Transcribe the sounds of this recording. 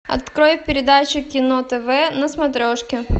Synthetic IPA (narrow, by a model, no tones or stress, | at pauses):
ɐ̰t̪kɾojfpʲɪɾʲɪd̪at͡ɕʊkʲɪnot̪ɛvɛnɐsmɐt̪ɾʲoʂkʲɪ